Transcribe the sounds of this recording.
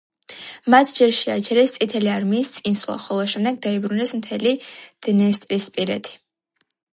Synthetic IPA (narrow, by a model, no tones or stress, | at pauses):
mat̪ʰd͡ʒɛɾʃiat͡ʃʰɛɾɛst̪sʼit̪ʰɛliaɾmiːst̪sʼinswlˠa̰χɔlˠaʃɛmd̪ɛɡd̪aibɾunɛsmt̪ʰɛlid̪̥nɛst̪ʼɾispʼiɾɛ̰t̪ʰi̥